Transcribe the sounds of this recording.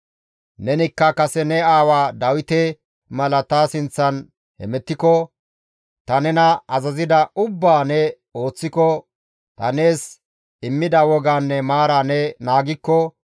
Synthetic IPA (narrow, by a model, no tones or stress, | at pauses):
nɛnɪkːɐkɐsɛnɛaːwaːd̪ɐwɪt̪ɛ | mɐlɐt̪asɪnt͡sːɐn | hɛ̰mɛt̪ːɪkɔ | t̪ɐnɛnɐɐzɐzɪd̪ɐʊbːaːnɛ | o̞ːt͡sːɪkɔ | t̪ɐne̞ːs | ɪmːɪd̪ɐwɔɡaːnːɛmaːɾaːnɛnaːɡɪkːɔ